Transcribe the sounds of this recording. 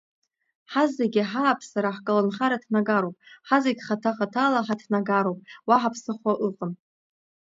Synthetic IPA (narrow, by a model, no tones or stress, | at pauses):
ħazːeɡʲiħaːpʰsaɾaħkʼalɨnχaɾatʰnaɡaɾowpʼħazeɡʲχatʰaχatʰalaħatʰnaɡaɾowpʼwaħapʰsɨχʷaʔɨqʼən